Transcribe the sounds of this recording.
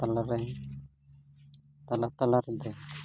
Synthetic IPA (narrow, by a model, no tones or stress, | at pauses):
t̪alaɾɛ | t̪alat̪alaɾd̪ɛ